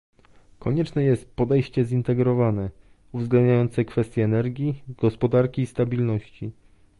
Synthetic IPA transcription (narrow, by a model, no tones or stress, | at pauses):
kɔɲɛt͡ʂnɛjɛst̪̚pɔd̪ɛjɕt͡ɕɛzint̪ɛɡɾɔvanɛ | uvzɡlɛnd̪ɲajɔnt̪sɛkfɛst̪ʲjɛːnɛɾɡʲjiɡ̥ɔspɔd̪aɾkʲiːst̪abʲilnɔɕt͡ɕi